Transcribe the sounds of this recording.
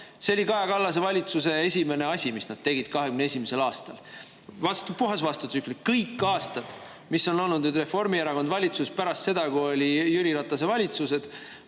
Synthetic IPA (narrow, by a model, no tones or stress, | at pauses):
seolʲikɑekɑlːɑs̬e̞vɑlʲit̪sus̬e̞esʲime̞ne̞ɑsʲimisnɑd̪̥̚t̪e̞ɡ̥id̪̥̚kɑɦeɡymneesʲimese̞lɑːst̪ɑl | vɑst̪upuɦɑsvɑst̪ut̪sykˑlikkɤjkːɑːst̪ɑd̪̥ | misːo̞no̞lnud̪nyd̪re̞fo̞rmieɾɑko̞nvɑlʲit̪suspæɾɑst̪se̞d̪̥ɑkuo̞lʲijyliɾɑt̪ːˑɑs̬e̞vɑlʲit̪suse̞d̪̥